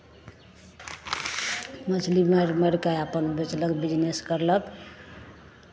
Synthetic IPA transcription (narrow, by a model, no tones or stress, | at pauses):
mət͡ʃʰlimeɾmeɾkaapənbet͡ʃləkbid͡ʒneskəɾlək